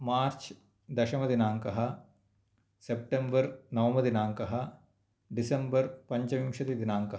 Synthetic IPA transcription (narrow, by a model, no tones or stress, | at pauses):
maːɾt͡ʃ | d̪ɐʃɐmɐd̪inaːŋkɐɦɐ | sep̚ʈembɐɾnɐʋɐmɐd̪inaːŋkɐɦɐ | ɖisɐmbɐɾpɐɲt͡ʃɐmimʃɐt̪id̪inaːŋkɐɦ